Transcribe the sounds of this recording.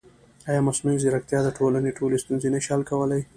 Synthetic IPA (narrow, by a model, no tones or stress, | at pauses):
ɑjɑmasnujziɾak̚t̪jɑd̪əʈʰolaneʈʰolest̪unzenaʃɑlkawəlaj